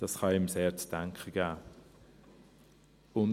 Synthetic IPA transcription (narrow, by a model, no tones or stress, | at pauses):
d̥ɑsχɑɪmseːt͡sd̥aŋkχəɡ̥æː | ʊn